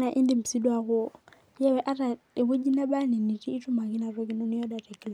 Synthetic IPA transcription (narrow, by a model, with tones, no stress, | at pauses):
na˨ʔɪ˦ndɪ˦m̩˨si˦dwa˦ɣʊ˦ | jɛ˦wɛ˦ʔa˦ɾa˨ | ɪ˨bʊ˦d͡ʒi˦na˦ɓa˦ni˨ni˨riː˦tʊ˦ma˨ki˦na˨ɾɔ˦kɪ˦nɔ˦nɪ˦ɔ˦da˨rɛ˨kl